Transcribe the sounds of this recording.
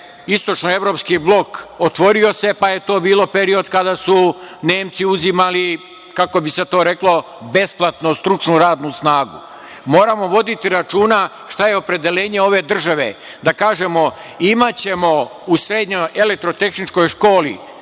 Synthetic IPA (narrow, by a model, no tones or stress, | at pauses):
ist̪o̞t͡ʃnoe̞ʋɾo̞ːpskiblˠo̞kot̪ʋo̞ɾio̞se̞paje̞t̪o̞ːbiːlo̞pe̞ɾio̞d̪kad̪asune̞ːmt̪siuzimali | kako̞biset̪o̞ːɾe̞klˠo̞ | be̞splˠat̪nost̪ɾut͡ʃnuɾaːd̪nusnaːɡṵ | mo̞ːɾamo̞ʋo̞d̪it̪iɾat͡ʃuːna | ʃt̪ajeo̞pɾe̞d̪e̞le̞ːɲe̞o̞ʋe̞d̪r̩ʒaʋḛ | d̪akaːʒe̞mo̞ | imat͡ɕe̞mo̞usɾeːd̪ɲojʔelek̚t̪ɾo̞t̪e̞xnit͡ʃko̞jʃko̞ːlḭ